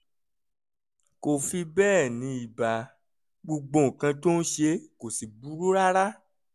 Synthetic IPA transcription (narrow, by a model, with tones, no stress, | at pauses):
ko˨fi˧bɛː˦˨nĩ˧i˨ba˨ | ɡ͡bo˧ɡ͡bõ˧˨kã˧to˦n̩˦ʃe˧ko˨si˨bu˨˦ɾu˦ɾa˦ɾa˦